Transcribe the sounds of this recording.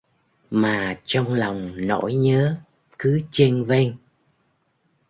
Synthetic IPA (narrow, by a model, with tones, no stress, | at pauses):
maː˨˩t͡ɕɔ˧wŋ͡mlɔ˨˩wŋ͡mno̰˧˥jɲəː˨˦ | kɨ˨˦t͡ɕe˧nve˧ŋ